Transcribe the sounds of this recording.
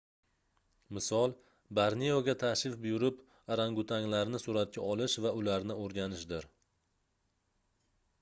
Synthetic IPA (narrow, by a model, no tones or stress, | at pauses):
mɪsɒlˠ | baɾnijoɡʲat̪ʰaʃɪfbʊjʊɾɪp | aɾaŋɡʊt̪ʰaŋlaɾnɪsʊɾat̪̚kʲʰaʔɒlɪʃvaʊlaɾnɪoɾɡʲanɪʃd̪ɪɾ